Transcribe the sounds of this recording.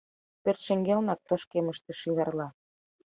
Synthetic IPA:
pørt̪ʃeŋɡelnɑk̚t̪oʃkeməʃt̪ĕʃyɣɑrlɑ

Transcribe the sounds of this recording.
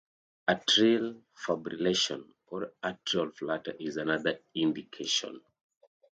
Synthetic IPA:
atɹil | fabɹileʃɔ̰̃n | ɔɹatɹialflatə̰ʔizanaðə˞ĩndikʰeʃɔ̰̃n

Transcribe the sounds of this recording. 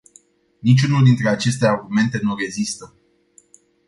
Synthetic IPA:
nit͡ʃʲunuld̪int̪ɾe̞at͡ʃe̞st̪e̞arɡume̞nt̪e̞nure̞zist̪ə

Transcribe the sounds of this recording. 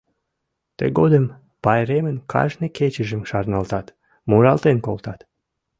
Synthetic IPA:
t̪ḛɡod̪əm | pɑjɾemənkʰɑ̰ʒneket͡ɕəʒəmʃɑrnɑlt̪ɑt̪ | muɾɑlt̪enkolt̪ɑt̪

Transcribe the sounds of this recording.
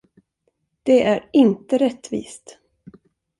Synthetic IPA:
d̪̥ɛʔæɾɪnt̪əɾɛt̪ːvḭːst̪

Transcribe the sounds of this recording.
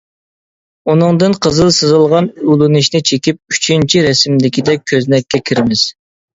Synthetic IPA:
unɨŋd̪ɨnqʰəzɨlˠsɨzɨlˠʁɑnulˠɨnɨʃnɪt͡ʃʰekʲip̚yt͡ʃʰint͡ʃʰiɾɛsɪmlɪkʲid̪ɛk̚ʲʰːøznɛkʲːɛkʲʰiɾɪmɪz̥

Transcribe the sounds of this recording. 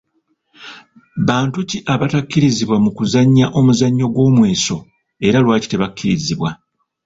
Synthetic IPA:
βaːntuciʔaβatakːiɾiziβwamukuzaɲːaʔo̞muzaɲːo̞ɡwo̞ːmwe̞ːso̞ | e̞ɾalwaːci̥te̞βakːiɾiziβwa

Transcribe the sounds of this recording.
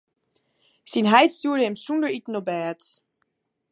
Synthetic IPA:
sinɦajtstuːɹdəɛmsundəɹitnobɛːt

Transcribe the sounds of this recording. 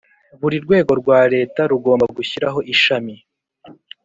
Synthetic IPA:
βuɾiɾɡwe̞ːɡo̞ɾɡwaːɾe̞ːtaɾuɡo̞ːmbaɡuçiɾaɦo̞ʔiʃami

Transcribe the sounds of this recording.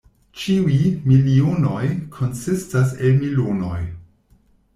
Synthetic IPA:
t͡ʃiujmiliono̞jkʰo̞nsistas̬elmilono̞̰j

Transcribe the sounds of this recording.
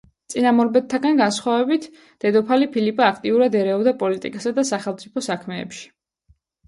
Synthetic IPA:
t̪sʼinamɔɾbɛt̪t̪ʰːaɡanɡansχwavɛbit̪ʰ | d̪̥ɛd̪ɔpʰalipʰilipʼaakʰt̪ʼiuɾad̪ɛɾɛɔbd̪apʼɔlit̪ʼḭkʼasad̪asaχɛlˠt̪sʼipʰɔsakʰmɛ̰ːpʃi̥

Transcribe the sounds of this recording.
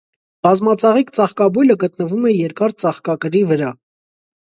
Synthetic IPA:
b̥ɑzmɑt͡sɑʁikt͡sɑχkɑbujləɡət̪nəvumɛjɛɾkɑɾt͡sɑχkɑkəɾivəɾɑ

